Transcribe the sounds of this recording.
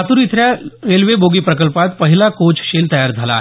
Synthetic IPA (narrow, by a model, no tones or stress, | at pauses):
at̪uɾit̪ʰɾjaɾelʋeboɡiːpɾəkəlpat̪pəɦilakot͡ʃɕelt̪əjaɾd͡zʱala̰